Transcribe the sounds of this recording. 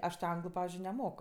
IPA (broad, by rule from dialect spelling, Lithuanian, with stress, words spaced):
ˈɐʃ tʲɪ ˈɐŋɡlˠʊ ˈpɑːʋʲɪzʲd͡ʒʲʊɪ nʲɛˈmoːk